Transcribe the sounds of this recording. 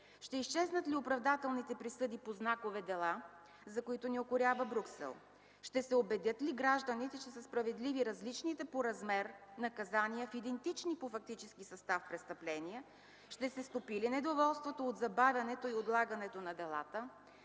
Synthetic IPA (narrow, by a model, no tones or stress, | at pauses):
ʃt̪ɛiʃt͡ʃɛznət̪liopɾɐvd̪at̪ɛlˠnit̪ɛpɾisɤd̪ipoznakovɛd̪ɛlˠa | zɐkoit̪oniokʊɾʲavəbɾuksɛ̰lˠ | ʃt̪ɛsɛobɛd̪jət̪liɡɾaʒd̪ənit̪ɛt͡ʃɛsəspɾɐvɛd̪liviɾɐzlit͡ʃnit̪ɛpoɾɐzmɛɾnɐkɐzanijəfid̪ɛnt̪it͡ʃnipofɐk̚t̪it͡ʃɛskisɐst̪afpɾɛst̪ɐplɛnijɛ | ʃt̪ɛsɛst̪opilinɛd̪ovɔlˠst̪vot̪ood̪zɐbavʲɐnɛt̪oiot̪lˠaɡɐnɛt̪onɐd̪ɛlˠa̰t̪ə